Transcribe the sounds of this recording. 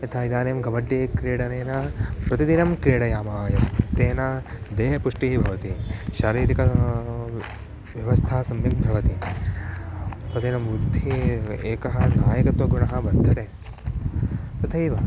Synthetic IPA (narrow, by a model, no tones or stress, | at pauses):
et̪ʰaːid̪aːnejmɡɐʋɐɖːeːkɾeːɽɐneːnapɾɐt̪id̪inɐmkɾeːɽɐjaːmaːjɐmt̪eːna | d̪eːɦɐpuʂʈiibʱɐʋɐt̪iʃaːɾiːɾikɐ | ʋjɐʋɐst̪ʰaːɐsɐmjɐmbʱɐʋɐt̪i | pɾɐt̪inɐmud̪ʱieːkɐɦɐ̆naːjɐkɐt̪ʋɐɡuɳɐɦɐ̆ʋɐɾd̪ʱːɐt̪eː | pɐt̪ʰɐjʋɐ